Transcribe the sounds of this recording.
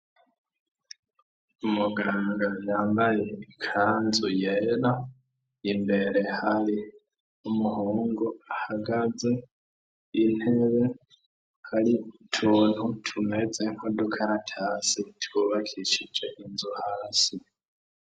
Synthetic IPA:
umuɡaːŋɡajaːmbajeikʰaːnzujeɾa | imbe̞ɾe̞haɾi | umuhoːŋɡoahaɡaze̞ | in̥he̞βe̞ | haɾitʰuːn̥hutʰume̞d͡ze̞ŋ̥o̞do̞kʰajatʰaːsitʰwuβakʰiʃid͡ʒe̞ʔinzuhaːsi

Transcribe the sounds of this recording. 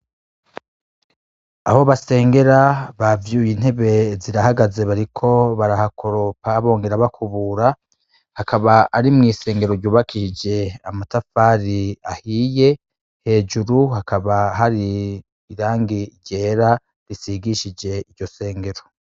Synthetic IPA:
a̰ho̞βase̞ːŋɡe̞ɾaβavjuːjin̥he̞βe̞ziɾahaɡaze̞βaɾikʰo̞βaɾahakʰo̞ɾo̞paβo̞ːŋɡe̞ɾaβakʰuβuɾa | hakaβaaɾimŋiːse̞ːŋɡe̞ɾoɾɟuːβakʰiʃid͡ʒe̞amatafaɾiahiːje̞ | he̞ːd͡ʒuɾuhakaβaɦaɾiː | ɾaːŋɡiɾɟeːɾa | ɾisiɡiʃid͡ʒe̞iɾɟo̞se̞ːŋɡe̞ɾo̞

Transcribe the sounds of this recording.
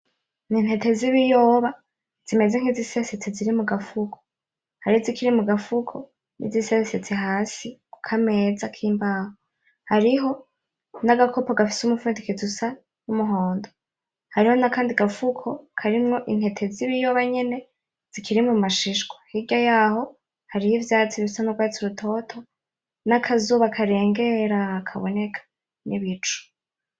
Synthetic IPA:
nin̥he̞te̞ziβijo̞ːβa | z̥ime̞ze̞ŋ̥hiziseset͡seziɾimuɡafukʰo̥ | haɾihozikiɾimuɡafukʰo | nḭziseset͡sihaːsikukʰame̞ːzakʰiːmbaho | haɾiɦo̞ | naɡakʰo̞poɡafi̥sumufuːndikizusa | numuɦo̞ːndo | haɾiho̞nakaːndiɡafukʰo̞kʰaɾimŋo̞ʔin̥he̞tʰe̞ziβijoβaɲe̞ne̞ | z̥ikʰiɾimumaʃiʃɡwahiɟajaːho̞ | haɾihivjaːt͡siβisanuɡwaːt͡suɾutʰo̞tʰo̞ | nakʰazuːβakʰaɾe̞ːŋɡe̞ɾakʰaβo̞ne̞kʰḁ | niβit͡ʃu̥

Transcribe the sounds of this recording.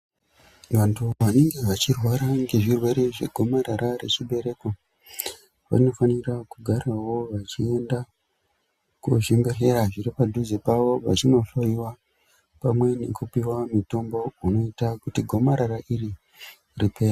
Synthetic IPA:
ʋantʰuʋane̞ŋɡe̞ʋat͡ʃirwaɾaŋɡe̞ʐirwe̞ɾe̞ʐe̞ɡʱo̞maɾaɾaɾe̞t͡ʃiɓe̞ɾe̞ko | ʋa̰no̞fanirakuɡʱarawo̞ʋat͡ʃie̞nda | kuʐembe̞ɬe̞ɾaʐiripadʱuzepaʋo̞ʋa̰t͡ʃino̞ɬoiwa | pamwe̞ne̞kupiwamito̞mbo̞uno̞itakutiɡʱo̞maɾaɾaʔiri | ripe̞ːra

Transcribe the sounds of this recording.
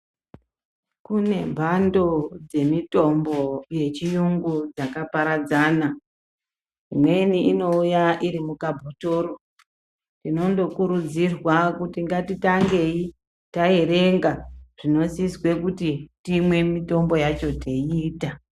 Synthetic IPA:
kune̞̰mbʱando̞d͡ze̞mito̞mbo̞je̞t͡ʃijuŋɡud͡zakapaɾad͡zaːna | imwe̞niʔːno̞ujaʔiɾimukabʱotoɾo | tino̞ndo̞kuɾud͡zirwakutiŋɡatitaŋɡe̞i | tae̞ɾe̞ŋɡaʐ̥ino̞siswe̞kutitimwe̞mito̞mbo̞jat͡ʃo̞tʰeiːta

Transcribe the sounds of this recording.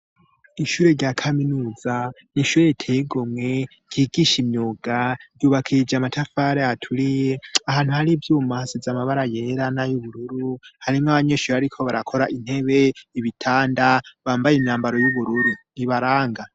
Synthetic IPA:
iʃuːɾe̞ɾɟakʰaminuːza | niʃuːɾetʰeɡomŋe̞ | ɡ̥iːɡiʃimɲoɡaɾjuːβakʰid͡ʒamatʰafaːɾeatʰuɾije̞ahaːn̥huhaɾivjuːmasizamaβaɾaje̞ɾanajuβuɾuɾuhaɾimŋaβaɲe̞ʃuːɾeaɾikʰo̞βaɾakʰo̞ɾaʔin̥he̞βe̞iβitʰaːndaβaːmbajenaːmbaɾo̞juβuɾuɾuniβaɾaːŋɡa

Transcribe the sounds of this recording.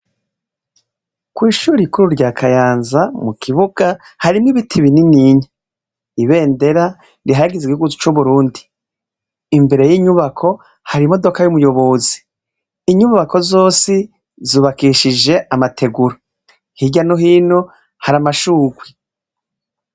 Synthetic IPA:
kwiːʃuːɾikuɾuɾɟaːkʰajaːnzamukʰiβuɡ̥a | haɾimŋiβitʰiβininiːɲe | iβe̞ːnde̞ɾa | ɾiɦaɡizikihuɡuzu̥t͡ʃuβuɾuːndiː | mbe̞ɾe̞jiɲuβakʰo̞ | haɾimo̞do̞kajumujo̞βo̞zi̥ː | ɲuβako̞zo̞ːsi | zuːβakiʃid͡ʒe̞amatʰe̞ɡuɾo | hiɟanoɦiːno̞ | haɾamaʃuːɡwi

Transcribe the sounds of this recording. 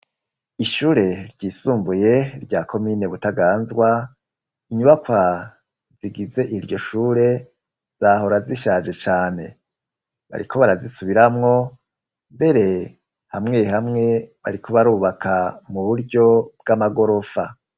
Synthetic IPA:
iʃuːɾe̞ɾɟiːsuːmbuje̞ɾɟaːkʰo̞miːne̞βutaɡaːnzɡwa | iɲuβakwa | ziɡize̞ʔiɾɟo̞ʃuːɾe̞ | z̥aɦo̞ɾaziʃaːʒe̞t͡ʃaːne̞ | βa̰ɾḭkʰo̞βaɾazisuβiɾamŋo̞ | mbe̞ɾe̞ | hamŋe̞hamŋe̞βa̰ɾikʰo̞βaɾuːβakʰamuβuɾɟo̞b̚ɡamaɡo̞ɾo̞fa

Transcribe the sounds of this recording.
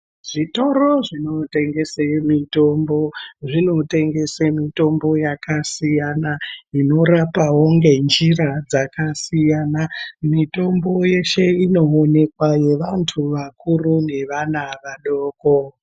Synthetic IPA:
ʐ̥ito̞ɾo̞ʐino̞te̞ŋɡe̞semito̞mboʐino̞te̞ŋɡe̞semito̞mbo̞jakasijanaino̞ɾapaɦoŋɡe̞nd͡ʒirad͡zakasijaːnamito̞mbo̞je̞ʃe̞ino̞one̞kwaje̞ʋantʰuʋakurune̞ʋanaʋaɗoːko

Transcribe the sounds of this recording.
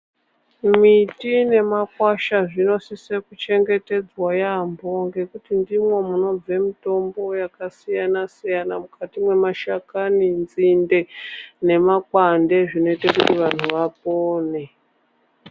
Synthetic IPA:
mitine̞makwaʃaʐino̞sisekut͡ʃe̞ŋɡe̞te̞d͡zwajambo̞ŋɡe̞kutindimwe̞muno̞b͡vemito̞mbo̞jakasijanasijanamukʰatimwe̞maʃakanind͡zinde̞ne̞makwande̞ʐino̞itakutiʋan̤uʋap̚oːne̞

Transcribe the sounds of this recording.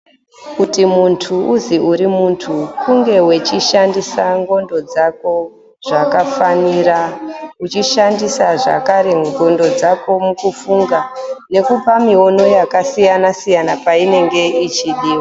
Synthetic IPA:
kutimuntʰuuziʔuɾimuntʰukuŋɡe̞wet͡ʃiʃandisaŋɡo̞ndo̞d͡zako̞ | ʐ̥akafaniraut͡ʃiʃandisaʐa̰kaɾe̞ɡo̞ndo̞d͡zako̞mukufuŋɡane̞kupamio̞no̞jakasijanasijanapaine̞ŋɡe̞it͡ʃiɗiːwo

